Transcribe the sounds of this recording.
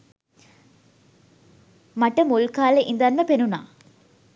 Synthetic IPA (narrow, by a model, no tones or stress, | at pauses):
maʈəmulkaːleʔind̪anməpenuna̰ː